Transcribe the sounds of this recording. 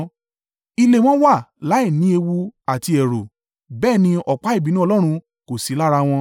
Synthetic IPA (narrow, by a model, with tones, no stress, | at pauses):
i˧le˦˨w̃ɔ̃˦wa˦˨la˨˦i˦˨nĩ˨˦e˧wu˧a˨ti˧ɛ˨ɾo˨ | bɛː˦˨nĩ˧ɔ˨k͡pa˨˦i˦˨bi˨˦nũ˦˧lɔ˦ɾ̃ũ˧ | ko˨si˨˦la˦ɾa˧w̃ɔ̃˧